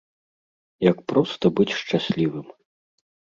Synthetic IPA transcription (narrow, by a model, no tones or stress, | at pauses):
jɐkpɾɔst̪ɐbɨt͡sʲʂt͡ʂasʲlʲivɨm